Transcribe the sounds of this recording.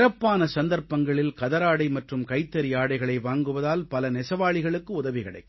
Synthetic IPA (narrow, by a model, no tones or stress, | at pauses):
rɐpːaːnɐsɐnd̪ɐɾpːɐŋɡɐɭɪlkɐðɐɾaːɽɐɪmɐʈrɯmkɐɪt̪ːɐɾɪjaːɽɐɪɣɐɭɐɪʋaːŋɡɯʋɐðaːlpɐlɐnɛsɐʋaːɭɪɣɐɭɯkːɯʊðɐʋɪɣɐɽɐ̰ɪ